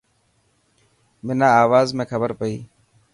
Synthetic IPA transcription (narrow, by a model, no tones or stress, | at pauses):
mɪnãːaːʋaːzmẽːkʰəbəɾpəiː